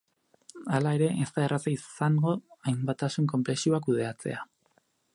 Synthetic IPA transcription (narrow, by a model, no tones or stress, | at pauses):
alae̞ɾe̞ʔest̪aerat͡saisaŋɡo̞ajmbat̪asuŋko̞mple̞siuak̬uð̞e̞at͡se̞̰a